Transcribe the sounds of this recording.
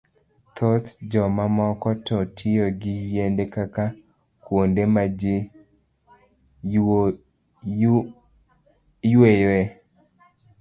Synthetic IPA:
t̪ʰɔt̪d͡ʒɔmamɔkɔtɔtʰɪjɔɡɪjendekaka | kwondemad͡ʒe | jweje

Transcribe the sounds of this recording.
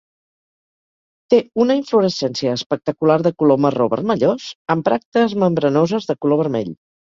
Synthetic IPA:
t̪eunəiɱfluɾəsɛnsiəːspək̚t̪əkulaɾðəkuloməroβə̰rməʎosəmpɾak̚t̪əzməmbɾənozəzðəkuloβ̞əɾmɛ̰ʎ

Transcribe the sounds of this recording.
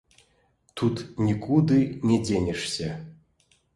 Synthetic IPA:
t̪ut̪nʲikʰud̪ɨnʲedʲenʲeʂsʲe

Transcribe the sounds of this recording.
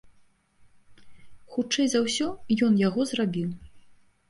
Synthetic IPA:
xut͡ʂɛjzawsʲɔjɔnjaɣɔzrabʲiw

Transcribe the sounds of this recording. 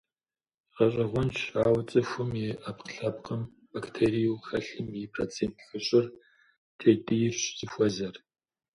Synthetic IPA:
qɐɕʼɐʁʷʊnt͡ʃʰaːwt͡sʼɨxʷʊmjɪapqɬɐpqəm | baktʰeɾijuxɐɬɨmɪpʰrot͡sʰeːntʰxɨɕʼɪr | tʰeːtʼɨjɪrɕzʼɨxʷɔzɐr

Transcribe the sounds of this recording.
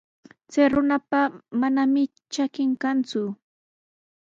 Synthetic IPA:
t͡sajɾʊnapamanamɪ | t͡ʃakɪŋkant͡sʊ

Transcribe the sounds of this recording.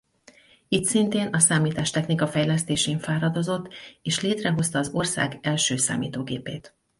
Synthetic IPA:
it̪sint̪eːnɒsaːmiːt̪aːʃt̪ɛxnikɒfɛjlɛst̪eːʃeːɱfaːɾɒd̪o̞zo̞t̪ːeːʃleːt̪rɛɦo̞st̪ɒːzo̞rsa̰ːɡɛlʃøːsa̰ːmḭːt̪oːɡeːpeːt̪

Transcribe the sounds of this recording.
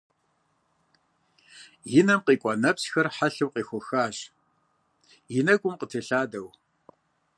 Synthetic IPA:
jɪnɐmqiːkʷʼɔnɐpsxɐrħaɬɨwqiːxʷʊxaːɕ | jɪnɐɡʷʼʊmqətʰɨɬaːdɐw

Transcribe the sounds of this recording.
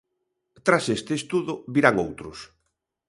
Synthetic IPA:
t̪ɾasest̪eest̪uðʊβiɾaŋo̰wt̪ɾʊs

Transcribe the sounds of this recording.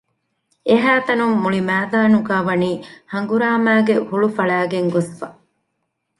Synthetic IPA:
eɦæːt̪ɐnumːuɭimæːd̪aːnuɡaːʋɐniːhɐŋɡuɾaːmæːɡehuɭufɐɭæːɡeŋɡosfɐ

